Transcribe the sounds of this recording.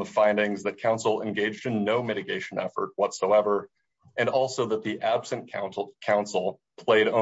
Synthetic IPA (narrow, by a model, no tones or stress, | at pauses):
əfãɪ̃ndɪ̃ŋzðɨt̚kʰãʊ̃nsl̩ˠɨ̰̃nɡeɪd͡ʒdɨ̃nːoʊmɪɾɨɡeɪʃɨ̃n̩ɛ̰fə̰˞t̚wʌtsoʊɛvə˞ | ɨ̃nɔlˠsoʊðət̪̚ðiʔæb̥sɨ̃nkʰã̰ʊ̃nkʰãʊ̃nsl̩ˠ | pʰl̥eɪɾõ